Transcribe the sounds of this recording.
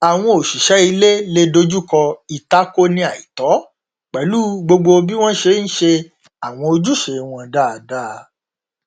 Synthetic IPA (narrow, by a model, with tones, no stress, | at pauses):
a˨w̃ɔ̃˧o˨ʃi˨ʃɛ˨˦i˧le˦le˦do˧d͡ʒu˦kɔ˧i˨ta˨˦ko˦nĩ˧˦a˨i˨tɔ˨˦ | k͡pɛ˨˦lu˦ɡ͡bo˧ɡ͡bo˧bi˦w̃ɔ̃˦ʃe˧˦n̩˦ʃe˧ | a˨w̃ɔ̃˧o˧d͡ʒu˦ʃe˧w̃ɔ̃˧da˦˨da˦˨˧